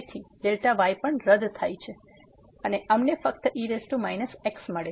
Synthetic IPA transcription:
t̪ʰid̪elʈaʋajpəɳɾəd̪t̪ʰajt͡ʃʰe | əneʔəmnefək̚t̪əʔiɾesʈumajnəseksməɭe

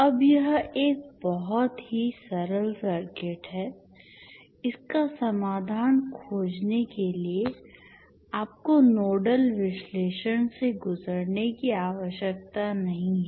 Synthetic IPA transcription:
ɐbjɐɦeːk̚bɔɦɔt̪ɦisɐɾəlsɐɾkeːʈɦɛː | ɪskasɐmaːd̪ʱaːnkʰoːd͡ʒnekelie | aːp̚konoːɖəlʋɪʃleːʃənseɡʊzəɾnekiaːʋəʃjək̚t̪anɐɦĩɦɛː

